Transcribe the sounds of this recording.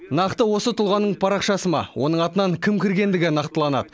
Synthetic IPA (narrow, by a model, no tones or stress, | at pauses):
nɑqt̪əwo̞sət̪ʰʊlˠʁɑnːəɴpʰɑɾɑqʃɑsəmɑ̰wo̞nəɴɑt̪ənɑŋkʲʰɪmkʲɪɾɡʲe̞nd̪ɪɡʲɪnɑqt̪əlˠɑnɑ̰d̪ə